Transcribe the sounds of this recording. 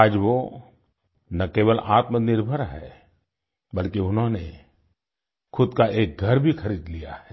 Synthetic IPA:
aːd͡ʒʋo | nɐkeːʋəlʔaːt̪mənɪɾbʱəɾɦɛ̰ː | bəlkeʊnɦõne | xʰʊd̪kaʔeːk̚ɡʱəɾbʱixəɾiːd̪lija̰ɦɛː

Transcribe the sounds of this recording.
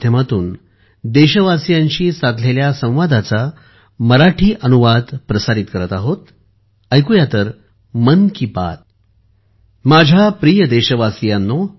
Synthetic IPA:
jəmat̪uːn | d̪eɕəʋasjãɲt͡ɕiːsat̪leljasə̃w̃ʋad̪at͡sa | məɾaʈʰiːʔənuʋad̪pɾəsaɾit̪kəɾət̪aɦot̪ | əjkujat̪əɾ | mənkipa̰t̪̚ | mad͡ʑʱjapɾijəd̪eɕəʋasjanːo

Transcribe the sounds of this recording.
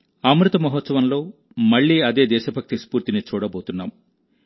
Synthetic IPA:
amɾut̪ɐmɐɦɔt̪sɐʋɐnlo̞ː | mɐɭːiːɐd̪e̞ːd̪ɛːʃɐbʱɐk̚t̪ispuːɾt̪init͡ʃuːɽɐbo̞ːt̪unːa̰ːm

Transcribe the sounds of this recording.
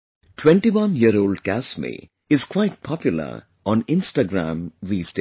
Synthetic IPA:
ʈʰwɛ̃ɳʈiʋʌ̃njiəɾoːlɖkæsmḭ | ɪzkwaɪʈ̚pʰɔpjʊlə̰ɾ | ɔ̃nɪ̃nsʈaɡɾæ̰̃mɹisʈe

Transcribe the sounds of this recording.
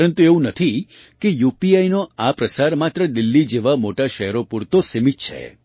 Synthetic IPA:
ɾənt̪ueũnət̪ʰi | kejupiainoapɾəsaɾmat̪ɾəd̪ilːid͡ʒeʋamoʈaʃɛɦɾopuɾt̪osemitt͡ʃʰḛ

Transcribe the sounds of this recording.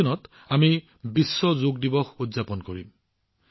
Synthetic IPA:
ɔnɔt | ami | bisːɔzoɡdibɔxudzapɔnkoɹḭm

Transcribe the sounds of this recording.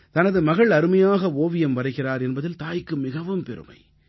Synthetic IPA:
t̪ɐnɐðɯmɐɣɐɭɐɾɯmɐjaːɣɐoːʋɪjɐmʋɐɾɐɪɣɪraːɾɛnbɐðɪlt̪aːjkːɯmɪɣɐʋɯmpɛɾɯ̰mɐ̰ɪ

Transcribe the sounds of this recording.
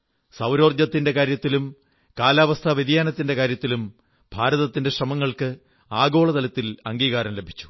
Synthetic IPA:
sɐwɾo̞ːrd͡ʑɐt̪ːinde̞kaːɾjɐt̪ːilum | kaːlaːʋɐst̪ʰɐʋeðijaːnɐt̪ːinde̞kaːɾjɐt̪ːilum | bʱaːɾɐðɐt̪ːinde̞ɕrɐmɐŋːɐɭkɨ | aːɡo̞ːɭɐðɐlɐt̪ːilɐŋɡiːɣaːɾɐmle̞bʱi̥t͡ɕːu̥

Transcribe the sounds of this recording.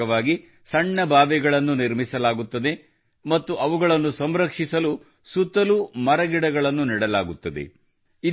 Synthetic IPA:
ɐʋaːɡi | sɐɳːɐbʱaːʋɛɡɐɭɐnːuniɾmisɐlaːɡut̪ːɐd̪e̞ | mɐt̪ːuʔɐʋuɡɐɭɐnːusɐmɾɐkʂisɐlu | sut̪ːɐlumɐɾɐɡiɽɐɡɐɭɐnːuniɽɐlaːɡut̪ːɐd̪e̞̰ | i

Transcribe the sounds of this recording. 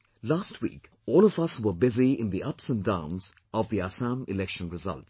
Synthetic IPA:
lastʰwḭːk | ɔːlɔvʌswəbɪziɪ̃nðiʔʌpsə̃ndã̰ːmz | ʔɔvðiasãmɪlɛkʃə̃nɹɪzʌ̰lts

